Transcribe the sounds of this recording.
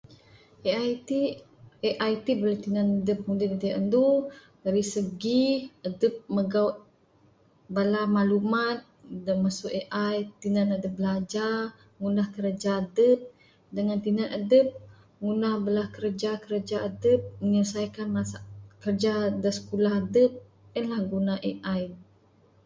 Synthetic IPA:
ʔeajt̪i | eʔajt̪ibəlat̪inanadəp̚hudidədiaʔəndu | daɾisəɡiədəp̚məɡaut̪̚ | balamalumat̪̚dəmasuʔeʔajt̪inanadəp̚bəlad͡ʒa | ŋunahkəɾəd͡ʒadəp̚ | dəŋant̪inanʔadəp̚ | ŋunahbəlahkəɾəd͡ʒakəɾəd͡ʒaadəp̚məɲəsajkanmasakərd͡ʒadəsə̥kulahadəp̚ | ənlahɡunaʔeʔaj

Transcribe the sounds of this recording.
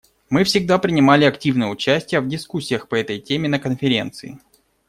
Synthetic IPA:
mɨfsʲɪɡ̚d̪apɾʲɪnʲɪmalʲɪɐktʲivnɨjəʊt͡ɕæsʲtʲɪjəvdʲɪskusʲːɪjəxpəɛt̪əjtʲemʲɪnəkənfʲɪɾʲe̞̰nt̪sɨɪ

